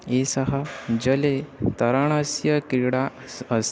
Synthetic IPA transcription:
esəɦəd͡ʑəlet̪əɾaɽ̃asjəkɾiɽa | əs

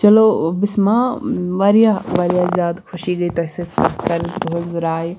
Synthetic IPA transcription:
t͡ʃɐlobɪsmãʋɐɾjaʋɐɾijazʲjaːd̪kʰʊʃiɡɐit̪ɐɦsekɐɾd̪ʱozɾaːj

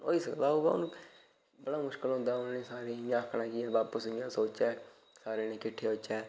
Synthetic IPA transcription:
o̰ːiːsəklaːɦoːʋaːʊ̰n | bəɽaːmʊʃkəlɦʊ̃nd̪aːʊnnẽːsaːɾeːjãːkʰɽãːkɪɛːʋaːpəsɪ̃jãːsoːt͡ʃɛː | saːɾeːneːkɪʈʰːeːɦoːt͡ʃɛː

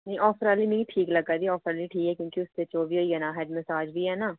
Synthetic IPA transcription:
nĩʔɔːfʰɾaːliːmɛ̃iʈʰiːkləɡad̪iːɔːpʰɾaːliːʈʰiːkɦɛːkjõːkiʊst̪et͡ʃoːbiːɦoːiɦɛːnãːɦɛːɖməsaːd͡ʒbʱiːɦɛːnaː

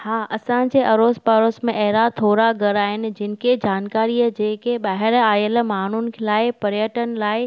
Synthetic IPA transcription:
haːʔɐsãːd͡ʑeʔɐɾoːspaːɾoːsmẽʔɛɦɾat̪ʰoːɾaɡɐɾaːɦɪnɪ̆d͡ʑɪnɪ̆kʰed͡ʑaːnkaːɾiəd͡ʑeːkeɓaːɦɪɾaːjəlmaːn̤ʊnɪ̆kʰelaːɪpɐɾjəʈənɪ̆laːɪ

